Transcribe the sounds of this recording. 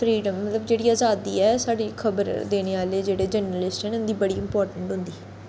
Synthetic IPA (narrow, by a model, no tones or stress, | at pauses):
pʰɾiːɖəmːət̪ləbd͡ʒeːɽiːaːzaːd̪iːɛːsaːɖiːkʰəbəɾd̪eːɽ̃eːaːleːd͡ʒeːɽeːd͡ʒənəlɪsʈɛːnʊnd̪iːbəɽiːɪmpɔːɾʈəɳʈɦʊ̃nd̪iː